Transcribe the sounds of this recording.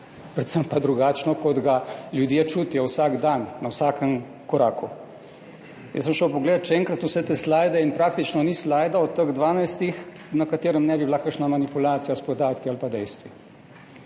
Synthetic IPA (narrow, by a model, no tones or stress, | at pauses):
pɾɛt̪səmpad̪ɾuɡaːt͡ʃnɔkɔd̪ɡaljud̪jet͡ʃuːt̪ijɔwsaɡd̪anːawsaːkəm | kɔɾaːku | j̰səmʃəwpɔɡled̪t̪ʃɛɛːŋkɾat̪usɛt̪ɛslaːjd̪ɛinpɾaːk̚t̪it͡ʃnɔnislajd̪aɔt̪ːəɣd̪ʋaːnajst̪ix | nɐkat̪eːɾəmnɛbiblakəɾʃnamanipulaːt̪sijaspɔd̪aːt̪kialpad̪ɛjst̪ʋi